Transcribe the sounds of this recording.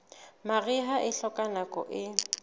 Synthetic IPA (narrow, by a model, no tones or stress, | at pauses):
maɣɪɦaʔɪɬɔkʼanakʼɔ̰ʔɪ